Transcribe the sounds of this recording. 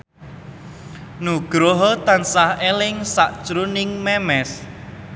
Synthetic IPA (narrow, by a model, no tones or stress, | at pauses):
nuɡ̥ɾoɦɔt̪ansahelɪŋsaʔt͡ʃɾunɪŋmɛmɛs